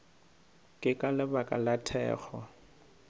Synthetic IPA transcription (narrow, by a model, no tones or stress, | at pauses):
kʼɪkʼalɪbakʼa̰latʰɛ̰ːɣɔ